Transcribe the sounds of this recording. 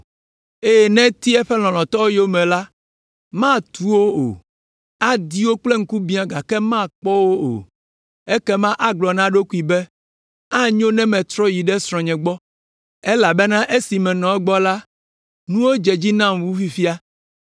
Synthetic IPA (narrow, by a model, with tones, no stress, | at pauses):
e˦jɛ˨nɛ̃˦t̪i˦ɛ˦ɸɛ˦l̃ɔ̃˨lɔ̃˨t̪ɔ˦wo˦jo˦mɛ̃˨la˦ | mã˦t̪u˦wo˦o̰˨ | a˦d̪i˦wo˦k͡plɛ˦ŋ̩˦ku˦bĩ˦ã˨ɡa˨kɛ˦mã˦k͡pɔ˦wo˦o̰˨ | e˦kɛ˦mã˦ʔa˨ɡ͡blɔ˨nã˦ɖo˦ku˦i˨bɛ˦ | a˦ɲõ˦nɛ̃˦mɛ̃˨t̪ɾɔ˦ji˨ɖɛ˦sɾ̃ɔ̃˨ɲɛ̃˨ɡ͡bɔ˦ | ɛ˦la˨bɛ˦nã˦ʔe˦si˨mɛ̃˨nɔ̃˨ɛ˦ɡ͡bɔ˦la˦ | nũ˦wo˦d͡ʒɛ˨d͡ʑi˦nã˦mwu˦fi˦fi˦a˦